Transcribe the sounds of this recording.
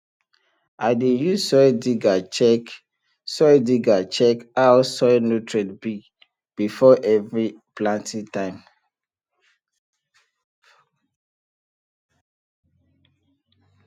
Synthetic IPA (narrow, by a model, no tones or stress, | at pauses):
aɪdejusɔjdiɡat͡ʃɛ | sɔdiɡat͡ʃɛkawsɔjnotɹɛdbi | b̥ifɔʔɛvɹi | plãntʰĩtãɪ̃m